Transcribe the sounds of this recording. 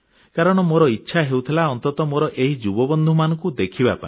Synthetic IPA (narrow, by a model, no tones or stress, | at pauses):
kaɾɔɽ̃ɔmoɾɔitːʃʰaɦeuwt̪ʰilaɔnt̪ɔt̪ɔmoɾɔʔeɦid͡ʒubɔbɔnd̪ʱumanɔŋkud̪ekʰibapa̰ĩ